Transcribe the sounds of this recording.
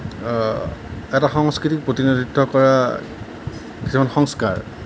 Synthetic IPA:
ɛtaxɔŋskɹitik̚pɹotiniditʰːɔkɔɹa | ki̥sʰimanxɔŋska̰ɹ

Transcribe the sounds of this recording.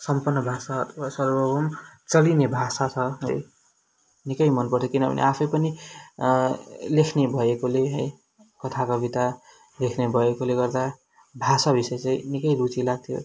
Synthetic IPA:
sʌmpʌrnːʌbʱasaʌt̪ʰʌbasʌrbʌbʱʌmt͡sʌlinebʱasat͡sʰʌɦʌ̰j | nikʌjmʌnpʌrt̪ʰjokinʌbʱʌ̰nḛapʰʌjpʌni | lekʰnebʱʌekoleɦʌ̰j | kʌt̪ʰakʌbit̪a | lekʰnebʱʌekoleɡʌrd̪a | bʱasabʱisʌjt͡saĩnikʌjɾut͡silaɡ̚t̪ʰjo̰

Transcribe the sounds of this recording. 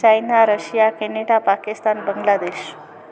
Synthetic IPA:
ajnaɾəɕijakeneɽapakist̪anbəŋɡlad̪eɕ

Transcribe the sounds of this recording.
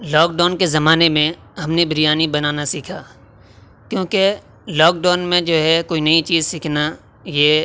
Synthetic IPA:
lɔːk̚ɖaːnkezɐmaːnemẽ | ɦɐmnebɪɾijaːnibɐnaːnasiːkʰaː | kjõːke | lɔːk̚ɖaːnmẽd͡ʒoːɦɛkoːinɐit͡ʃiːzsiːkʰna | jeː

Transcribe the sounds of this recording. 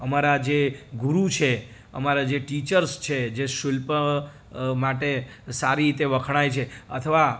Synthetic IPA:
əmaɾad͡ʒeɡuɾut͡ʃʰe | ə̰maɾad͡ʒeʈit͡ʃəɾst͡ʃʰed͡ʒeʃʊlp | maʈe | saɾiɾit̪eʋəkʰɽ̃ajt͡ʃʰeət̪ʰəʋa

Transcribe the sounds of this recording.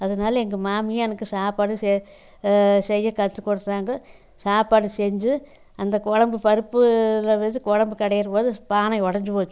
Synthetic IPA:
ɐðɐnaːlɐɛŋɡɐmaːmɪjɛnɐkːɯsaːpaːɽɯsɛ | sɛjːɐkɐt̪ːɯkːɔɽɯt̪ːaːŋɡɐ | saːpaːɽɯsɛɲd͡ʒɯ | ɐnd̪ɐkɔɻɐmbɯpɐɾɯpːɯlɐʋɛðɯkɔɻɐmbɯkɐɽɐjɪɾɐpoːðɯpaːnɐɪɔɽɐɲd͡ʒɯpoːt͡ʃːʊ̃

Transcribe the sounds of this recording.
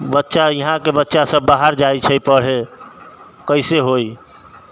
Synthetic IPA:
bətːʃajəɦãkebətːʃasə̃bbːaɦaɾd͡ʒajt͡ʃʰəjpəɽ̤e | kəɪseɦoj

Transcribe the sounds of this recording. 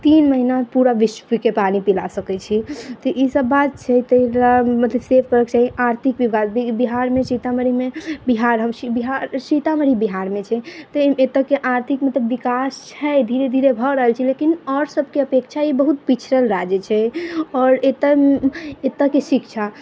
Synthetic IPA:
t̪inməɦinapuɾaʋiʃpikepanipila̰səkɛt͡ʃʰit̪ɔʔisəbːat̪̚t͡ʃʰɛt̪əɦɾamət̪ləbsepʰkəɾəkt͡ʃaɦiaɾt̪ʰikʋiasibiɦaɾmẽt͡ʃit̪aməɾimebiɦaɾɦəmsibiɦaɾsit̪aməɾibiɦaɾmet͡ʃʰɛt̪ɔet̪əkeʔaɾt̪ʰikmət̪ləbːikast͡ʃʰɛd̪ʱiɾed̪ʱiɾebʱɔɾəɦəlt͡ʃʰilekinɔɾsəbʱkeəpekt͡ʃʰaibəɦut̪̚pit͡ʃʰɾəlɾad͡ʒɛt͡ʃʰɛɔːɾet̪ə | et̪əkesikt͡ʃʰa

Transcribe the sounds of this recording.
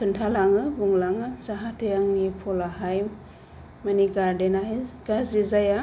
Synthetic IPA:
kʰɯntʰalaŋɯbuŋlaŋɯzaɦatʰejaŋnipʰɔlaɦajm | maniɡaɾdenaɡ̥azizaja

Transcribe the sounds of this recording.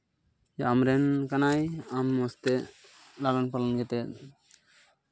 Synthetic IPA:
amɾɛnkanajamːɔst̪ɛ | lalanpalanɡɛt̪ɛt̪̚

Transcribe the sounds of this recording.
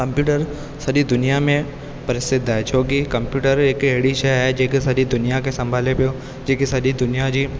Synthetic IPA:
kɐ̃mpjuːʈəɾ | sɐɾid̪ʊnijamẽ | pɐɾɪsɪd̪at͡ʃʰoːɡikɐ̃mpjuːʈəɾeːkeːɽiʃɛɦɛd͡ʒeːkisɐɾid̪ʊnijakesɐ̃mbʱaːlepeo | d͡ʒeːkisɐɽid̪ʊnijad͡ʒiː

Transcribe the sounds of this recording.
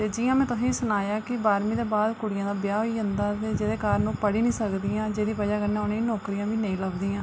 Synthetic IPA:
t̪eːd͡ʒijãːmɛ̃ːt̪ʊsĩːsʊnaːjaːkɪbaːɾmĩːd̪eːbaːd̪kʊɽɪjãːd̪aːbjaːɦoiːənd̪aːt̪eːd͡ʒeːd̪eːkaːɾnũːpəɽiːnĩːsəkd̪iːjãːd͡ʒeːd̪iːpəd͡ʒaːkənːẽoneːnoːkɾiːjãːʋiːnəĩːləbd̪iːãː

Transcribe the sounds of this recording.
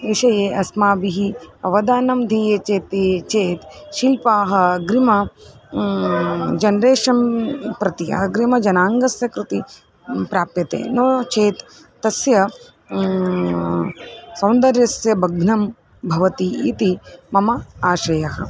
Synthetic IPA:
iʃɐjeːʔɐsmaːbiɦiɐʋɐd̪aːnɐmd̪ʱiːjet͡ʃeːt̪et͡ʃeːt̪ʃilpaːɦɐ̆ɐɡɾimɐ | d͡ʒɐnɾeːʃɐmpɾɐt̪iɐ̰ɡɾimɐd͡ʒɐnaːŋɡɐsjɐkɾut̪i | pɾaːpjɐt̪ḛːnoːt͡ʃʰeːt̪ː | ɐsjɐ | sɐwnd̪ɐɾjɐsjɐbɐɡnɐm | bʱɐʋɐt̪iit̪imɐmɐaːʃɐjɐɦɐ̰̆

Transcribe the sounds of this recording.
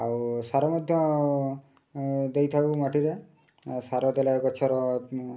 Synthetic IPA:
awsaɾɔmɔd̪ʱjɔ | d̪ejt̪ʰakumaʈiɾe | saɾɔd̪elakɔt͡ʃʰɔɾɔ

